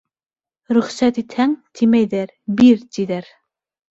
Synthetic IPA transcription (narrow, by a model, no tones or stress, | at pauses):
ɾyχsɛt̪it̪ʰɛŋt̪ʰimɛjd̪ɛɾ | biɾt̪id̪ɛɾ